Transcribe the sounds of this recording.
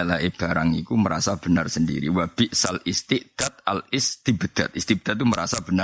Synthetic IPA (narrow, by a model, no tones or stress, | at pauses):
laeb̥aɾaŋikuməɾa̰sab̥ənarsəndḭɾḭwab̥ɪʔsalist̪ɪʔd̪̥at̪̚alɪst̪ibəd̪̥at̪̚ist̪ibəd̥̪at̪ːuməɾasab̥əna